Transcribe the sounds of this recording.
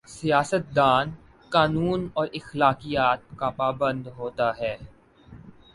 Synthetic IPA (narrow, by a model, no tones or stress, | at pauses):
sijaːsət̪̚d̪aːn | kaːnuːnɔːɾʔɪxlaːkijaːt̪̚kapaːbə̃nd̪ɦoːt̪aɦɛː